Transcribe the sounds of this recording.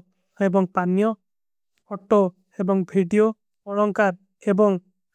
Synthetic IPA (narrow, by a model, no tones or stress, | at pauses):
ebɔŋpanijɔ | ɔʈo | ebɔŋbʱiɖijo | ɔɭɔŋkaɾ | ebɔŋ